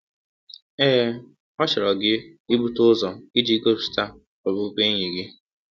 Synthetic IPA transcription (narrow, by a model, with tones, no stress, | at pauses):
eː˦˨ | ɔ˦t͡ʃɪ˨ɾɔ˨ɡɪ˦i˦bu˦tʊ˦zɔ˨i˦d͡ʒi˦ɡo˦bsta˦ | ɔ˨bʊ˨˦ke˦ɲe˨ɡɪ˦